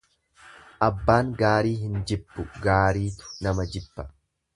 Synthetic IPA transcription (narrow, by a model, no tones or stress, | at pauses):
ʔɐbːaːŋɡaːɾiːɦɪnd͡ʒɪbːʊɡaːɾiːt̪ʊ̥nɐmɐd͡ʒɪb̥ːɐ